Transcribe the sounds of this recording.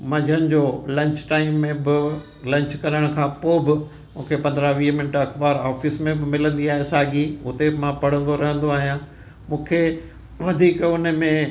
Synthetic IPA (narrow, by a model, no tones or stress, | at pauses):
mɐ̃d͡ʑʱənɪ̆d͡ʑoːlɐ̃ɲt͡ɕʈaːɪmːẽbɪ | lɐ̃ɲt͡ɕkɐɾəɽ̃ʊkʰãːpoːbɪ | mũːkʰepɐ̃nd̪ɾaʋiːmɪnʈɐkbaːɾaːfɪsmẽbɪmɪlə̃nd̪iaːɦesaːɡiʊt̪emãpɐɽ̤ə̃nd̪oɾɐɦə̃nd̪oaːɦijãː | mũːkʰe | ʋɐd̪ʱiːkʊnəmẽ